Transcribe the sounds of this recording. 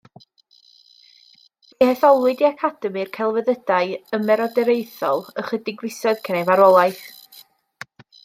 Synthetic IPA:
vihɛθɔlˠwɨdiakʰad̥ɛmirkʰɛlˠvəðədaɨəmɛɾɔdɛɾejθɔ̰lˠəχədɪɡrɪsɔðkʰənɛvaɾɔlˠajθ

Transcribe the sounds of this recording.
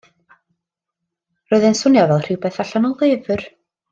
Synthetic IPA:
rɔɨðɛnsʊnjavɛlˠr̥ɪwpɛθaɬanɔlˠɪːvʏɾ

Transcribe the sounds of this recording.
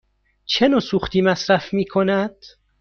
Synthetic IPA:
t͡ʃʰenoːsuːxt̪ʰiːmæsɾæfmiːkʰonæd̪̥

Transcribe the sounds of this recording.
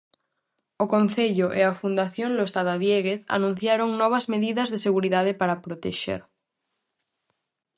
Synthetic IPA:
okõn̟θeʎoʔeafund̪aθjõnlost̪aðaðjeɣeθa̰nũn̟θjaɾoŋnɔβ̞azmeðiðazðeseɣ̞uɾiðaðepaɾapɾot̪eʃḛɾ

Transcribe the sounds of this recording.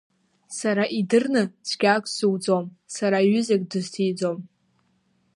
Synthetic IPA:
saɾaʔidɨrnɨt͡sʰɡʲakʷʼʰsɨwd͡zom | saɾaɥʏzakʼdɨztʰijd͡zom

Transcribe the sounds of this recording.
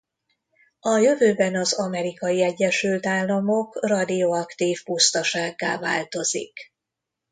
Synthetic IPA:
ɒjø̞vøːbɛnɒzɒmɛɾikɒjiɛɟːɛʃylt̪aːlːɒmo̞krɒd̪ioɒkt̪iːfpust̪ɒʃaːɡːaːva̰ːlt̪o̞zḭk

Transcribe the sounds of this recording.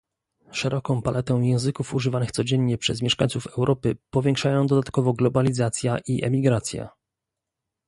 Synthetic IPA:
ʂɛɾʔɔkɔ̃w̃palʔɛt̪ɛ̃w̃jɛ̃w̃zɘkufuʐɘvanɘxt̪sɔd͡ʑɛɲːɛpʂɛzmʲjɛʂkaɲ̃t̪sufɛwɾʔɔpɘpɔvʲjɛ̃ŋkʂajɔ̃w̃d̪ɔd̪at̪kɔvɔɡlɔbalʲizat̪sʲjaʔiʔɛ̰mʲiɡɾat̪sʲja̰

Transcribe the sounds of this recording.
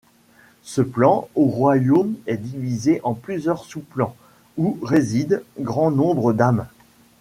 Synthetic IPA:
səplɑ̃oʁwajomɛd̪ivizeʔɑ̃plyzjœʁsuplɑ̃ | uʁezid̪ɡʁɑ̃nɔ̃bʁəd̪am

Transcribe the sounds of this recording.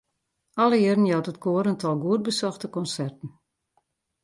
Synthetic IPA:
ɔləɪərən̩jɔwtətkʰoəɾəntʰɔlˠɡuət̚bəsɔxtəkɔnsɛrtən̩

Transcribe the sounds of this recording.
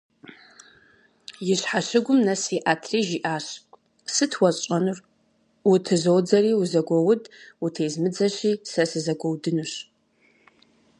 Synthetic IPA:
jɪɕħaɕɪɡʷʊmnɐsiʔaːtʰriːʒiʔaːɕ | sɨtʰwɐɐnɨr | wʊtʰɨzoːd͡zɐriːwuzɐɡʷɔwʊdutʰeːzmɨd͡zɐɕiːsɐsɨzɐɡʷɔwdɨnuɕ

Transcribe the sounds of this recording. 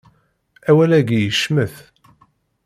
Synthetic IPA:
æwælæɡijəʃməθ

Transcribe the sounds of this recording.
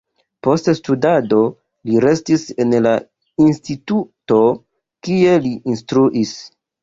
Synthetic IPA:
po̞ststudado̞ | liɾe̞stise̞nla | instituto̞ | kie̞liːnstɾuʔis

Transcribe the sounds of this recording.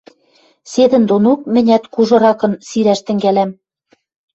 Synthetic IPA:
sed̪ɘ̆nd̪onok̚mɘ̆nʲæt̪kuʒɤ̆ɾɑkɤ̆nsiɾæʃt̪ɘ̆ŋɡælæm

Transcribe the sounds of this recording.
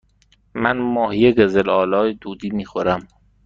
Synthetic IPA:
mænmɒːhijeɡezelɒːlɒːjed̪̥uːd̪iːmiːxoɾæm

